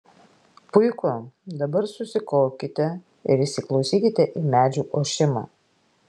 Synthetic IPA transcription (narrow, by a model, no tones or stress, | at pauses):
pʊɪkʊd̪ɐbɐɾsʊsʲɪkɔːkʲɪt̪ʲɛ | ɪɾɪʃsʲɪklˠɒʊsʲiːkʲɪt̪ʲɛʔiːmʲæːd͡ʒʲuːʔoːʃʲɪmɑ̰ː